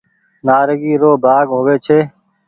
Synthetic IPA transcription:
naːɾəɡiːɾoːbʱaːɡɦoːʋeːt͡ʃʰeː

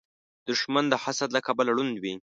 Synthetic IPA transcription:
d̪̥ʊʃmand̪əhasad̪lakabəlaɽund̪wi

